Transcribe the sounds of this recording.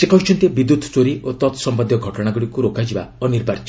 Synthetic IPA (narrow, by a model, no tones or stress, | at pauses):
sekɔwt͡ʃʰɔnt̪ebid̪ut̪t͡ʃoɾiʔot̪ɔt̪ɔsɔmbɔd̪jɔɡʱɔʈɔɽ̃aɡuɽikuɾokʰajd͡ʒibaɔniɾbʱaɾt͡ʃɔ